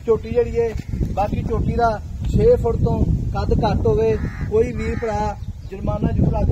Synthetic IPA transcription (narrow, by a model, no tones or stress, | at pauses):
t͡ʃoːʈiːd͡ʒeːɽiːeːbaːkiːt͡ʃoːʈiːd̪aːt͡ʃʰeːpʰʊɽt̪õːkəd̪kəɾt̪ɦoːʋeːkoːiːbiːpəɾaːd͡ʒəɾmaːnãːd͡ʒulaː